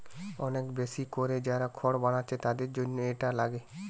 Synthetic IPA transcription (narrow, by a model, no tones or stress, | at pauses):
ɔnekbesikoɾed͡ʑaɾakʰɔɽbaɽ̃at͡ʃʰet̪ad̪eɾd͡ʒonːoeʈalaɡe